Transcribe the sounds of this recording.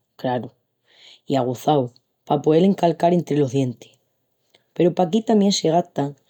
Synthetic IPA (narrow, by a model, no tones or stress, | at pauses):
kɾaɾo | iaɣ̞oθaw | papoðe̞le̞ŋkalkaɾe̞nt̪ɾe̞lo̞ɦðje̞nt̪e̥ | pe̞ɾopakit̪amje̞nse̞ɣ̞at̪aŋ